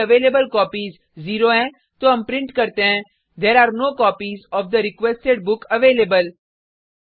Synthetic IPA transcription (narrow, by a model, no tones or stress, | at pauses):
əʋeːlebəlkɔːpizː | iːɾoɛ̃ | t̪oɦɐ̃mpɾɪ̃ɳʈkɐɾt̪eɦɛ̃ | d̪eːɾaːɾnoːkɔːpizɔːfd̪əɾɪkʋesʈeɖ̚bʊkɐʋeːleːbəl